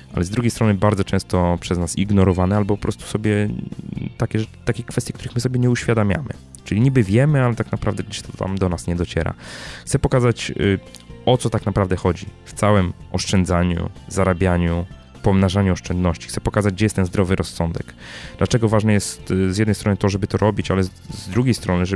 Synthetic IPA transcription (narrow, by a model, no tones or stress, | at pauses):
ʔa̰lɛzd̪ɾuɡʲjejst̪ɾɔnɘbaɾd̪zɔt͡ʂɛ̃w̃st̪ɔpʂɛznasiɡnɔɾɔvanɛalbɔpɔpɾʔɔst̪u̥sɔbʲjɛ | t̪akʲɛʐɛ̥t̪akʲɛkfɛst̪ʲjɛkt̪uɾɘxmɘsɔbʲjɛɲɛuɕfʲjad̪amʲja̰mɘ̰ | t͡ʂɘlʲiɲibɘvʲjɛmɘalɛt̪aknapɾavd̪ɛɡd͡ʑɛɕt̪ɔ̥t̪a̰md̪ɔnasɲɛd̪ɔt͡ɕɛ̰ɾa̰xt̪sɛpɔkazat͡ɕ | ɔt̪sɔt̪aknapɾavd̪ɛxɔd͡ʑift̪sawɛmɔʂt͡ʂɛnd̪zaɲṵzaɾabʲjaɲu | pɔmnaʐaɲuɔʂt͡ʂɛnd̪nɔɕt͡ɕi̥xtsɛpɔkazad͡ʑɡd͡ʑɛjɛst̪ɛnzd̪ɾɔvɘɾʔɔsːɔnd̪ɛkd̪̥lat͡ʂɛɡɔvaʐnɛjɛst̪zjɛd̪nɛjst̪ɾɔnɨt̪ɔʐɛbɘt̪ɔɾʔɔbʲit͡ɕalɛzd̪ɾuɡʲejst̪ɾɔnɘʐɛ